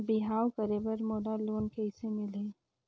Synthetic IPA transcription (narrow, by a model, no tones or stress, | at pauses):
bɪɦaːwkəɾebəɾmoːɖaloːnkɛɦɪsemɪlẽː